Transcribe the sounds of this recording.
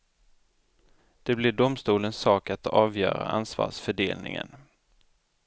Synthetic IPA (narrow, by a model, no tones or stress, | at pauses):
d̪̥ɛblɪɖʊmst̪uːlənsːɑːkat̪ɑːvjœːɾaansvɑ̰ːʂfœɖeːlnɪ̰ŋə̰n